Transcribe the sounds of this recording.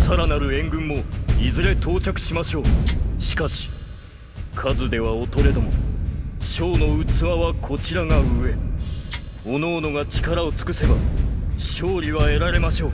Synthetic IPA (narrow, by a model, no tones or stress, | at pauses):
saɾanaɾɯ̟ẽ̞ŋɡɯ̟̃mːo̞izɨɾe̞t̪o̞ːt͡ɕakɯ̟̥ɕimaɕo̞ːɕi̥kaɕi̥ | kʰazɨd̪e̞β̞aot̪o̞ɾe̞d̪omo̰ | ɕo̞ːno̞ɯ̟t͡sɨβaβakʰo̞t͡ɕiɾaŋaɯ̟e̞ | ono̞ːno̞ɡat͡ɕi̥kaɾaot͡sɨ̥kɯ̟se̞baɕo̞ːɾʲiβae̞ɾaɾe̞maɕo̞ː